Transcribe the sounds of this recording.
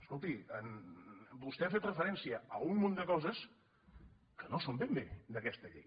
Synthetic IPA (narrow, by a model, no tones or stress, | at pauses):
əskolˠt̪iənbust̪ɛafet̪rəfəɾɛnsiəəumːond̪əkɔzəs | kənosombembed̪əkɛst̪əʎḛj